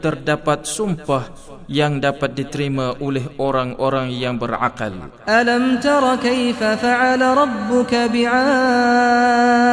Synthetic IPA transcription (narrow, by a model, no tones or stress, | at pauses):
t̪ərdapat̪̚sumpah | jaŋdapat̪̚dit̪əɾimãʔolɛɦoɾaŋoɾaŋjaŋbərʕa̰qa̰lʔalamt̪ɑɾˤɑkajfafaʕalaɾˤɑbːʊkabɪʕaː